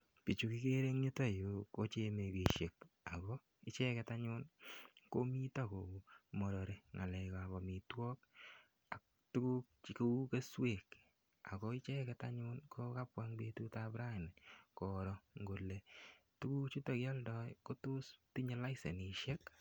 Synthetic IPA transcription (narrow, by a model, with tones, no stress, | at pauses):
pi˨t͡ʃu˨ki˦ke˦ɾe˦ŋɲi˦ta˦juko˦t͡ʃeme˨ke˨ʃek | a˨kɔ˦ | ɪ˦t͡ʃɛ˦kɛtaɲʊnko˦mi˦ta˦ko˨mɔ˨ɾɔ˨ɾe˦ŋa˨lɛ˨kabɔ˨mi˨twɔ˦k | a˨k̚ | tu˦kukt͡ʃke˦u˦ke˦swek | a˨kɔ˦ɪ˦t͡ʃɛ˦kɛta˦ɲʊnkʰɔ˦ka˦pwaŋbe˦tu˦tabɾa˦˨nekɔɾɔ˨ŋɡo˨le˨tu˦ku˦kt͡ʃu˦to˨kja˦ldɔ˦jko˦tʊsti˦ɲe˦la˦isḛ˨ni˨ʃe˦k